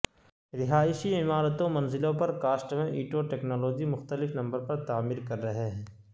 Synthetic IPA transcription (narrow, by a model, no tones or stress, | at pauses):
ɾɪɦaːɪʃiɪmaːɾət̪õmɐnzɪlõpɐɾkaːsʈmẽʔiːʈoʈeːknɔːloːd͡ʒimʊxt̪əlɪfnɐ̃mbəɾpɐɾt̪aːmiːɾkɐɾːɐɦeɦɛ̃ː